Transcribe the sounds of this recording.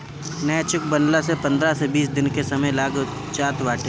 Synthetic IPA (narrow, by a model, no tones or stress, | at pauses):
nɛːt͡ʃʊk̚bənlasepɐ̃nd̪ɾasebiːsd̪ɪnkesɐməjlaːɡ | t͡ʃaːt̪ʋaːʈe